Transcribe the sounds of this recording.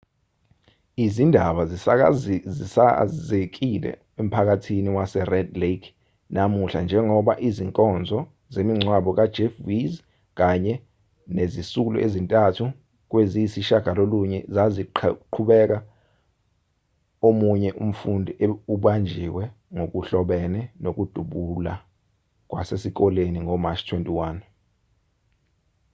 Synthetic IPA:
izindʱaɓaz | isazek̬ilɛ̰ | em̩pʰak̬atʰiniwasɛrɛdlekʰ | nʔamuɬand͡ʒʱɛŋɔɓaʔiziŋkʼɔnd͡zʱɔ | zemiŋ͡ǀʱwaɓɔk̬ad̥d͡ʒ̥efviz | k̬aɲɛ | nezisulɔ̰ʔezintʼatʰu | k̬wezisiʃaɡ̥ʱaloluɲɛzaziǃʰuɓɛk̬a | omuɲɛʔum̩fundʱiʔeuɓand͡ʒʱiwɛ | ŋok̬uɬɔɓɛnɛnok̬ud̥ʱuɓula | k̬wa̰sesik̬ɔleniŋɔmat͡ʃʰtʰwentʼiwaːn

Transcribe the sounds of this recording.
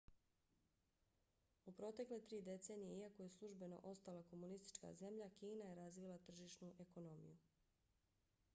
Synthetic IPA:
upɾo̞t̪e̞kle̞t̪ɾiːd̪e̞t̪se̞ːnijeiako̞je̞slˠuʒbe̞no̞̰ʔo̞st̪alako̞munist̪i̥t͡ʃka̰ze̞mʎakiːnaje̞ɾazʋilˠat̪r̩ʒiʃnuʔe̞ko̞no̞mḭju

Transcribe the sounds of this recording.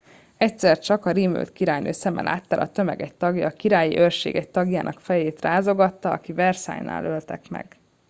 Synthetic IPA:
ɛcsɛrt͡ʃɒkɒɾiːmø̰lt̪kiɾaːjnøːsɛmɛ̰lʔa̰ːt̪ːaːlʔɒt̪ø̞mɛɡɛct̪ɒɡjɒːkiɾaːjḭʔørʃḛːɡɛct̪ɒɡjaːnʔɒkfɛjeːt̪raːzo̞ɡɒt̪ːɒɒkivɛrsa̰ːjna̰ːlølt̪ɛkmɛ̰ɡ̥

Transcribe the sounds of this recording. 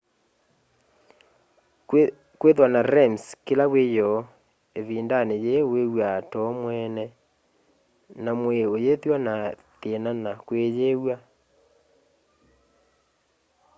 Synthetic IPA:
kweðwanaɾɛmskelawejɔ | eβiːndanejewewatɔmwɛnɛ | namweojeðwana | ðenanakwejewa

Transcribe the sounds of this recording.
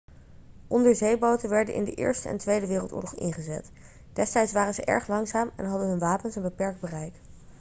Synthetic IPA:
ʔɔndəɹzejbowtənʋɛɹdə̰nʔɪ̰ndəʔɪ̰ːɹstəɛ̰ntʋejdəʋɪːrəlˠtʊ̰ːɹlɔχɪ̰nχəzɛ̰t | d̥ɛstɛjtsʋaːrənzəʔɛ̰ɹχlɑŋzaːmɛ̰nɦɑdənɦɵnʋaːpənsənbəpɛɹɡ̚d̚bərɛjk

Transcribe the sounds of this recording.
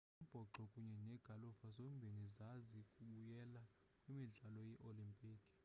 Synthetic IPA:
ub̥ʱɔǃɔkʼuɲɛnɛɡ̥ʱalufazombʱeŋizazikʼuɓujɛla | kʼwimiɮalɔjɛʔolimpʼiːkʼi̥

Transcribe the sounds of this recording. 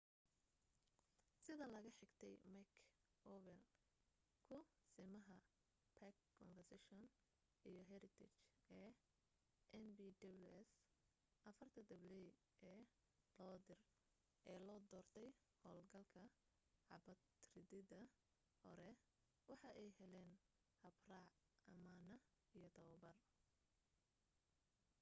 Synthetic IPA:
sɪðɐlɐɣɐħɪɡt̪ʰɛjmɐkʰ | ʔɔwɛl | kʰʊsɪmɐɦɐ | pʰɐkːʰɔnfɐrsɛʃɔn | ʔijɔɦɛɾɪt̪ʰɪt͡ʃɛː | ʔɛnbiːd̪ɐbluɛs | ʔɐfɐrt̪ʰɐd̪ɪβlɛj | ʔɛː | lɔːd̪ɪr | ʔɛːlɔːd̪ɔːrt̪ʰɛj | hɔːlɡɐlkʰɐ | ʕɑ̰bɐt̪rɪðɪðɐ | hɔ̰ɾɛ | wɑħɑʔɛjɦɛlɛːn | hɐbrɑːʕ | ɐmaːnɐ | ijɔt̪ʰɐwɐbɐr

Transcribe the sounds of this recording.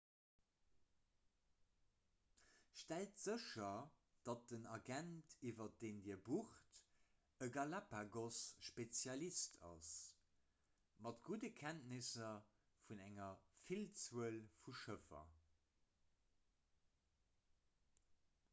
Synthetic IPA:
ʃtæltz̥əʃɐ | d̥ɑt̚ənɑɡæntʰivɐt̚d̥eːndiːɐbuχt | əɡɑlapaɡosʃpet͡sjɑlistʰɑ̰s | mɑtɡ̥udəkʰæntnisɐ | funæŋɐfilt͡suəlfuʃəfɐ̰

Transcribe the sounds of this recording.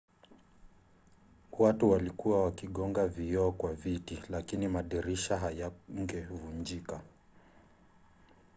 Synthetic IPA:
watuwalikuwawakiɠɔŋɡavijɔɔkwavitilakinimaɗɛɾiʃaɦajaŋ̩ɡɛvund͡ʒika

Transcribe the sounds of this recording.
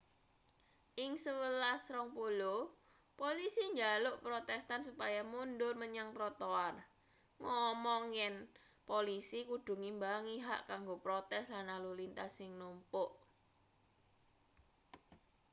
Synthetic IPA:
ʔɪŋsəwəlasɾɔŋpulo | polisiɲd͡ʒalʊʔpɾot̪ɛst̪ansupajamundʊrməɲaŋpɾɔt̪oar | ŋɔmɔŋjɛn | polisikuɖ̥ṳŋimbaŋiɦa̰ʔkaŋɡopɾot̪ɛslanalulint̪asɪŋnumpʊʔ

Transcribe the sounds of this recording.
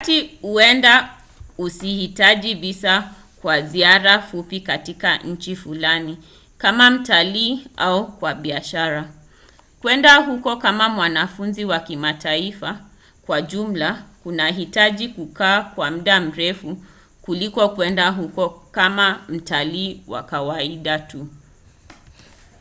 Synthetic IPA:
tihuɛnda | usihitaʄiɓisa | kwaziaɾafupikatikaɲ̩t͡ʃifulani | kamam̩taliːaukwaɓiaʃaɾa | kwɛndaɦukɔkamamwanafunziwakimatʰaifa | kwaʄum̩lakunaɦitaʄikukaːkwam̩ɗam̩ɾɛfu | kulikɔkwɛndaɦukɔkamam̩taliːwa̰kawaiɗatu

